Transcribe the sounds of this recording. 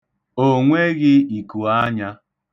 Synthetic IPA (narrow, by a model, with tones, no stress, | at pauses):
o˨ŋʷe˦ɣɪ˦i˨ku˨a˦ɲa˦